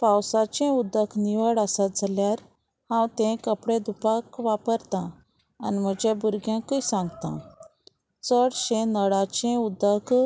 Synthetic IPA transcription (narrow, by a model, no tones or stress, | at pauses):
pãwsat͡ɕɛ̃ud̪əkniʋəɽasad͡zʱaljaɾ | hãwt̪ɛ̃kəpɽẽd̪upakʋapəɾt̪ã | a̰nim̤əd͡ʑẽbuɾɡjãkisãŋɡt̪ã̰ | t͡səɽɕɛ̃nəɽat͡ɕɛ̃ud̪ək